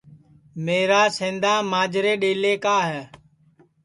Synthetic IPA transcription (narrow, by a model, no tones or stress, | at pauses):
meːɾaːsẽːnd̪aːmaːd͡ʒɾeːɗeːleːkaːɦɛː